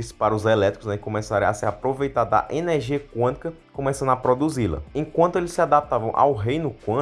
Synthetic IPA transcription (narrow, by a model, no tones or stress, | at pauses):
ispaɾɐʊzɛlɛt̪ɾi̥kʊznɛkõmɛsaɾɐ̃asɪɾapɾovejt̪aɾd̪d̪ɐ̰ʔenɛɾʒiɐkwɐ̃t̪i̥kɐ | kõmɛsɐ̃nd̪ʊapɾod̪uzilɐ̰ẽkwɐ̃nt̪ʊelɪsːɪad̪ap̚t̪avɐ̃w̃ʔa̰wɦejnʊkwɐ̃